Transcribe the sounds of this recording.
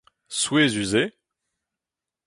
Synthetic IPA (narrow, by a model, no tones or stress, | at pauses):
swezyze